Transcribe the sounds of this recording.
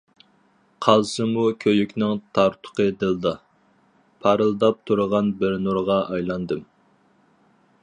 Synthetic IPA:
qʰɑlˠsɨmukʲʰøjykʲnɪŋt̪ʰɑɾt̪ʰʊ̥qəd̪ɨlˠd̪ɑ | pʰɑɾɨlˠd̪ɑp̚t̪ʰuɾəʁɑnbɪɾnuɾʁɑɑjlˠɑnd̪ɨm

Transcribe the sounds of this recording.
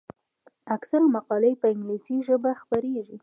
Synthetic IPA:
aksalmaqɑlejpəɪŋɡlisiʒəbaxpəɾeʒi

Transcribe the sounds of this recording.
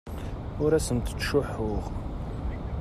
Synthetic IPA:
ʊɾæsənt̪ə̥t͡sːʃʊħːʊʁ

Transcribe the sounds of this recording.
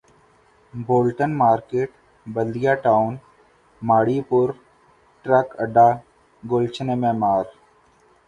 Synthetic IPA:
boːlʈənmaːɾkeːʈ | bəld̪ijaʈaːʊn | maːɽiːpʊɾ | ʈɾɐkəɖaː | ɡolt͡ʃʰnemẽːmaːɾ

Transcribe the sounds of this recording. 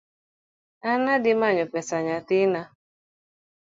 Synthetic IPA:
anadɪmaɲʊpɛsaɲatɪna

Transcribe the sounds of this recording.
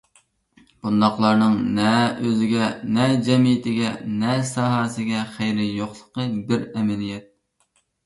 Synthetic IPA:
b̥und̪ɑqlˠɑɾnɨŋnɛøzɪɡʲɛnɛd͡ʒɛmijɪt̪ʰɪɡʲɛnɛsɑɦɑːsɪɡʲɛχæjɾɪjoχlˠəqəbɪɾɛmɛlijɛt̪̚

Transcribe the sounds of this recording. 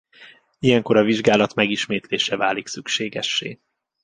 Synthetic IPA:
ijɛŋko̞ɾɒviʒɡaːlɒt̪mɛɡiʃmeːt̪leːʃɛvaːliksykʃeːɡɛʃːḛː

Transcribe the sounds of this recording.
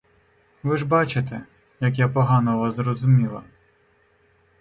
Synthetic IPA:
ʋɪʒbɑt͡ʃɪt̪ɛ | jɐk̬japɔɦɑnɔʋɐzrɔzʊmʲilˠɐ̰

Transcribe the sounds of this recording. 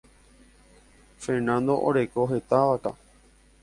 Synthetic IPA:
feɾnãnd̪o̞ʔo̰ɾe̞koɦe̞t̪aʋaka̰

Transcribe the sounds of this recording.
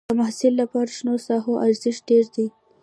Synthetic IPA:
əmahsɪlːapɑɾaʃnoɾsɑɦoʔaɾzɪʃ̚ɖeɾd̪i

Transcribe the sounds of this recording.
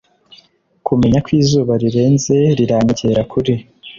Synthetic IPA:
kʰume̞ɲakwiːzuːβaɾiɾe̞ːnze̞ɾiɾaːɲiɟeɾakʰuɾi

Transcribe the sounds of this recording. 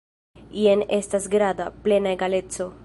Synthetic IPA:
ienest̪asɡɾad̪aplenaeɡalett͡so

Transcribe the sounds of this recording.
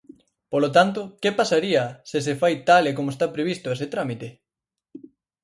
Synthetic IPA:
polot̪ant̪ʊkepasaɾiɐsɪs̬efajt̪alekomoest̪apɾeβ̞ist̪ʊeset̪ɾamit̪e

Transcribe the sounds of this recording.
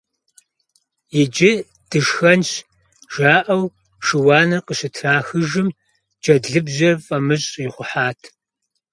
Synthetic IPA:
jɪd͡ʒɪ | d̥ɨʃxɐnʃ | ʒ̥aːʔɐw | ʂɨwɑːnɐrqəɕɪtʰraːxɨʒɨm | d͡ʒɐdɮɨbʑɐrfʼɐmɨɕʼiχʷʊħaːtʰ

